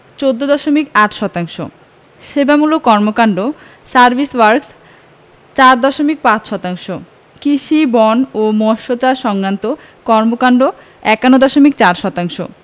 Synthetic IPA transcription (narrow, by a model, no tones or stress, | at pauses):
t͡ɕod̪ːod̪ɔʃomikaʈʃɔt̪aŋʃo̰ | ʃebamulokɔɾmokaɳɖo | saɾbʱiswaɾks | t͡ɕaɾd̪ɔʃomik̚pãt͡ɕʃɔt̪aŋʃo | kiʃibɔnomɔʃot͡ɕaɾʃɔŋɾant̪o | kɔɾmokaɳɖo | ɛkanod̪ɔʃomik̚t͡ɕaɾʃɔt̪aŋʃo̰